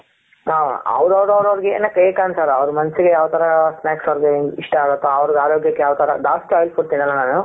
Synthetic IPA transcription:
a̰ɐ̰ʋɾɐʋɾɐʋɾɐʋɐɾiɡeḛːnɐkːɐekaːnsaːɾɐʋɾumɐnɐsiɡejaːʋt̪ɐɾɐsnaːksɐʋɾiɡeiʂʈɐaːɡɐt̪ːaɐʋɐɾiɡaːɾoːɡjɐkːejaːʋt̪ɐɾɐd̪aːsʈaːjlpuɽt̪inɐnlːɐnaːnu

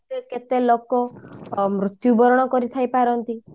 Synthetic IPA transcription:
eket̪elokɔ | mɾut̪jubɔɾɔɽ̃ɔkɔɾit̪ʰajpaɾɔnt̪i

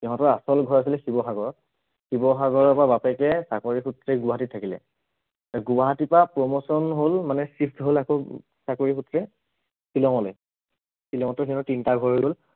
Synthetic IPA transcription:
ɛɦɔ̃tɔasɔlɡʱɔɹas̬ilɛxibɔxaɡɔɹɔt | xibɔxaɡɔɹɔpabapɛkɛsakoɹixʰutɹɛɡʊwaɦatitʰakilɛ̰ | aɡuaɦatipɹapɹɔmosɔnɦolmanɛsɹipʰtɦolako | sakoɹixutɹɛ | silɔŋɔlɔj | silɔ̃ŋɔtɔĩtɔtintaɡʱɔɹojɡol

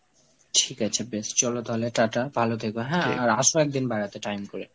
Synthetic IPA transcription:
ʈʰikat͡ɕʰebest͡ɕɔlot̪aɦoleʈaʈabʱalot̪ʰekoɦɛ̃aɾaʃoɛk̚d̪inbaɾat̪eʈajmkoɾe

